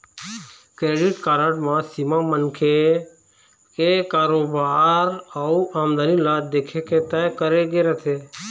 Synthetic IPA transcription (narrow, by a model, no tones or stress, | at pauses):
kɾeːɖiʈkaːɾəʈmãsimamənkʰe | kekaːɾoːbaːɾauʔaːmd̪aːnilaːd̪eːkʰeket̪əjkəɾeɡeɾət̪ʰeː